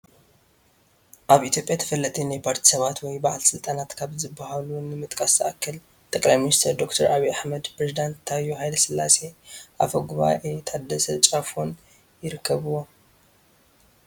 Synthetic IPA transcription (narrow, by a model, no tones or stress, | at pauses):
ʔaβit̪jo̞pʼjat̪ʰɐ̥fɐlːɐt̪ʰʼinajpʰaɾt̪ʰi̥sɐβat̪wɔjbaʕlsɨlt̪ʼanat̪kʰaβzɨbːahalunɨmɨt̪ʼkʼɐsɐʔakʰːɐl | t̪ʼɐkʼlajminist̪ʰɐɾd̪o̞kt̪ʰɐɾaβiaħmɐd̪pʰɾezid̪ant̪ʰːajuhajlɐsɨlːa̰se̞ʔafɐɡuβa̰ʔet̪ʰad̪ɐsɐt͡ʃʼafon | jɪɾɨkʰːɐβɨwo̞